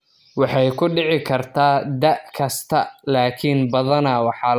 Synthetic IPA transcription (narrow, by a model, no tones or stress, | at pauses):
wɑħɑjkʰʊɖɪʕɪkʰɐrt̪ʰaːd̪ɐʔkʰɐst̪ʰɐlaːkʰinbɐðɐnɐwɑħɑl